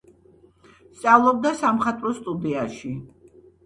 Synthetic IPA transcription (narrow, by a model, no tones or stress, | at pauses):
st̪sʼavlˠɔb̚d̪asamχat̪ʼɾɔst̪ʼud̪iaʃi